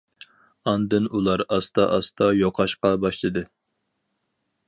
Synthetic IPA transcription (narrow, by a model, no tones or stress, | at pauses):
ɑnd̪ɨnulˠɑɾɑst̪ɑʔɑst̪ɑjoqʰɑʃqɑbɑʃlˠɨd̪ɨ